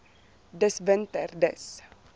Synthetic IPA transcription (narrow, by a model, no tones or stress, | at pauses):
d̪ɛsvɛnt̪əɾd̪ə̰s